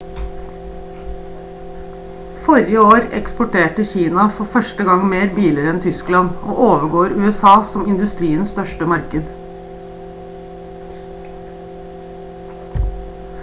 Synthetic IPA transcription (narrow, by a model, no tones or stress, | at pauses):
fɔɾɪəoːɾɛ̰kspʊʈeːʈəçiːnɑfɔfœʃʈəɡɑŋmeːɾbiːləɾəɛnt̪ʰʏsklɑno̰ːʔoːʋəɡoːɾʉːɛsɑːsɔmɪnd̪ʉst̪ɾiːənsst̪œʃʈəmɑɾkəd̪